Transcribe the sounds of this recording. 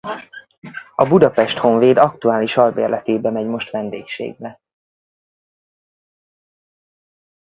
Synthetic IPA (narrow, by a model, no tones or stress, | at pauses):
ɒbud̪ɒpɛʃt̪ho̞ɱveːd̪ɒkt̪uaːliʃɒlbḛːrlʔɛt̪eːbɛmɛɟmo̞ʃt̪ʋɛnd̪ḛːkʃḛːɡ̚bɛ